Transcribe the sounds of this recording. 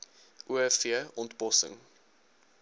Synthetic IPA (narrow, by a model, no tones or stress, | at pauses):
ʔuɛfiəɔntbɔsə̰ŋ